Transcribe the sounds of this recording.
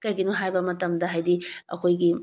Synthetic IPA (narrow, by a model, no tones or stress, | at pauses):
kɐjɡinuɦajbɐmɐtɐmdɐɦajdiɐ̰kʰojɡi